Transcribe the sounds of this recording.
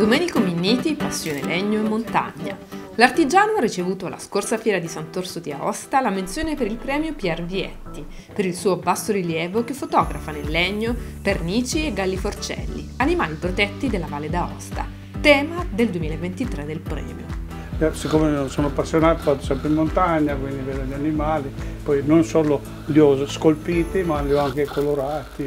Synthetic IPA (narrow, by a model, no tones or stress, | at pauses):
d̪omɛːnikominːiːt̪ipasːjoːnelɛɲːoemːont̪a̰ɲːa̰ | lart̪id͡ʒaːnoarːit͡ʃevuːt̪oala̰skorsafjɛːɾad̪isant̪orsot̪ia̰ɔ̰st̪alament̪sjoːnepeɾilpɾɛːmjopjɛrviɛ̰t̪ːi | peɾilsuːoabːasːoɾiljɛːvokefot̪ɔːɡɾafanelːɛɲːo | perniːt͡ʃieɡːalːifort͡ʃɛ̰lːḭanimaːlipɾot̪ɛt̪ːid̪elːavaːled̪aɔ̰st̪a̰ | t̪ɛːmad̪eld̪wemiːlaevːent̪it̪ɾed̪ːelpɾɛ̰ːmjo̰ | ɛsikːomesoːnoapːasːjonaːt̪ofat̪o̥sɛmpɾeimmont̪aɲːakwind̪iveːd̪oʎanimaːlipɔjnonsoːlo | liɔskolpiːt̪imaljɔaŋkekoloɾaːt̪i